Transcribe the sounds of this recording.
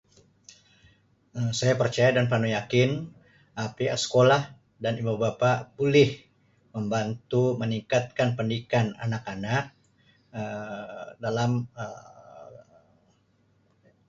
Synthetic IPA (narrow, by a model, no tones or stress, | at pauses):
əsajapərt͡ʃajadanpanujakɪn | ʔapiasə̥kolah | danibubapabulɪh | məmbant̪uməniŋkat̪̚kanpəndikana̰nakanak̚ | ə | dalamə